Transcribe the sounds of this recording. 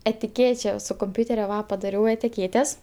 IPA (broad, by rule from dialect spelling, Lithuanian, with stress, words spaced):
ɛtʲɪˈkʲeːt͡ʃʲɛ sʊ kʊmʲˈpʲuːtʲɛrʲʊ ˈʋɐ pɐdɐˈrʲɛʊ ɛtʲɪˈkʲeːtʲɛs